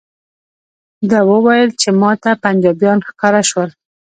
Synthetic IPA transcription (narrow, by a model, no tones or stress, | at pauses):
d̪əwəwajəlt͡ʃemɑt̪apand͡ʒɑbjɑnxkɑɾaʃwəl